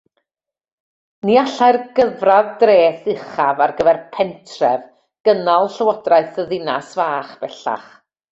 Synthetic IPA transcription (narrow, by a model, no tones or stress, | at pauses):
niaɬaɨrɡ̥əvraðdreːθɪχavarɡəvɛrpʰɛntʰrɛv | ɡ̥ənalˠɬəwɔdraɨθəðɪnasvaːχb̥ɛɬa̰χ